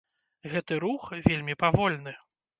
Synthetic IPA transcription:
ɣɛt̪ɨɾuxvʲelʲmʲipavɔlʲnɨ

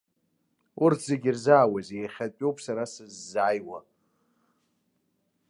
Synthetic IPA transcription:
urtʰzeɡʲirzaːwazejχʲat͡pʷʼowpʰʼsaɾasɨzːajwa

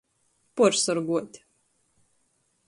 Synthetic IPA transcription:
pɔɾsɔɾɡuɔt̪ʲ

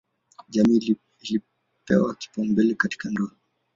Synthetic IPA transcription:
ʄami | ili | pɛ̰waki̥pɔmbɛlɛkati̥kandɔa

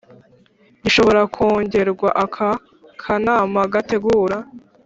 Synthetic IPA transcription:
iʃo̞βo̞ɾakʰoːɲɟe̞ɾɡwaʔakʰa | kʰanaːmaɡate̞ɡuːɾa

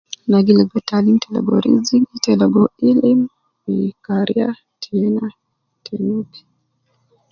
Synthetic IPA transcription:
naɡilaɡɔtalintɛlɔ̰ɡɔ̰ɾḭziŋitɛlɔɡɔilim | ikaɾia̰ | tʰɛna | tʰɛnupi̥

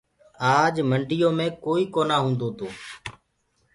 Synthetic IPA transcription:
aːd͡ʒməɳɖɪjoːmẽːkoːiːkoːnaːɦũːnd̪oːt̪oː

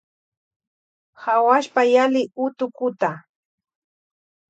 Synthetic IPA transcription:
hawaʃpajalɪʊt̪ʊkʊt̪a

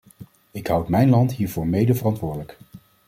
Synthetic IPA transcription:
ɪkɦʌwtmɛjnlɑntɦiːɹvʊːɹmejdəvərɑntʋʊːɹdələk

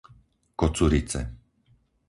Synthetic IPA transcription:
kɔt͡suɾit͡sɛ̰

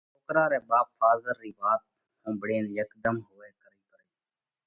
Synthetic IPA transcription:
t͡ʃoːkɾãːɾɛːɓaːp̚faːzəɾːiːbaːt̪̚ | hõːbəɽeːniːjəkd̪əmɦoːeːkəɾiːpəɾeː

